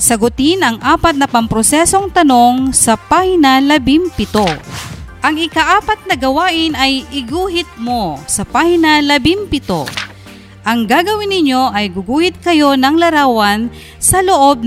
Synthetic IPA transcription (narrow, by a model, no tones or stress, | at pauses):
sɐɡʊt̪ɪnɐŋʔaːpɐt̪̚nɐpɐmpɾosɛso̞ŋt̪ɐno̞ŋsɐpahnɐlɐbɪmpɪt̪oʔɐŋɪkɐʔaːpɐt̪̚nɐɡɐwaːʔɪnɐjɪɡuːɦɪt̪̚mosɐpahnɐlɐbɪmpɪt̪o̰ | ʔɐŋɡaːɡɐwɪnːɪɲjoʔɐjɡʊɡuːhɪt̪̚kɐjo̞nɐŋlɐɾaːwɐn | sɐloʔo̞b̚n